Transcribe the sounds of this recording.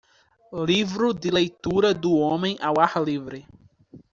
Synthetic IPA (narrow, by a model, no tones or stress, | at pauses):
livɾʊd̪ɪlejt̪uɾɐd̪ʊõmẽj̃ʔawaɾlivɾɪ